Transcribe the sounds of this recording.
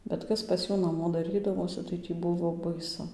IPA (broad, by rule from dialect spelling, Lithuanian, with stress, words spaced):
bʲɛt ˈkɐs pɐs ˈjuː nɐˈmoː dɐˈrʲiːdɐʋoːsʲɪ tɐɪ tʲiː ˈbʊʋoː bɐɪˈsʊ